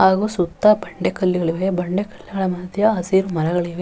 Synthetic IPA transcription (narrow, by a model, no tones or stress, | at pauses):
ɦaːɡuːsut̪ːɐbɐɳɖekɐlːiɡɐɭiʋebɐɳɖekɐ̥lːiɡɐɭɐmɐd̪ʱjɐɐsiːɾumɐnɐɡɐɭiʋe